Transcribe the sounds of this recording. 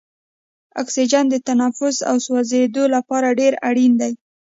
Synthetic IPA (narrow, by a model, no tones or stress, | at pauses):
a̰ksid͡ʒand̪ət̪anafʊsa̰wswazed̪olapɑɾaɖeɾaɽind̪aj